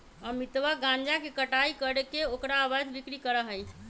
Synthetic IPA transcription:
əmit̪ʋəɡãnd͡ʒakekəʈaikəɾekeokɾaːbad͡ʒbikɾikəɾəɦəj

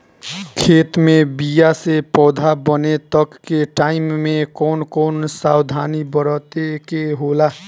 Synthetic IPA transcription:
kʰet̪mebijasepɔd̪ʱabənet̪əkːeʈaimːekɔnkɔnsawd̪ʱanibəɾət̪ekeɦola

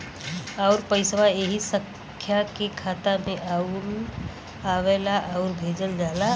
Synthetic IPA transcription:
ɔʊɾpəɪsʋaeɦisə̃ | kʰjakekʰaːt̪amẽʔaul | aʋeːlaʔɔʊɾbʱeːd͡ʒəld͡ʒaːla

